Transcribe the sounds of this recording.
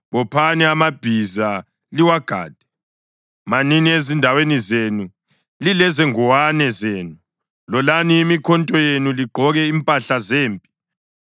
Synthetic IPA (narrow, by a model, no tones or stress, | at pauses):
βɔpʰanɛamab̥ʱiza | liwaɡ̥ʱa̰ːd̥ʱɛ̥ | maniniezindʱawenizenu | lilɛzɛŋɔwanɛzeːnu | lɔlaniːmikʰɔntʼɔjenuliɡ͡ǃʱɔɣɛimpʼaɬazeːmpʼi̥